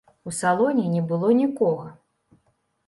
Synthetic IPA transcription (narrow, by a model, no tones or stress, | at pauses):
usalˠɔnʲinʲɛbɨlˠɔnʲikɔɣɐ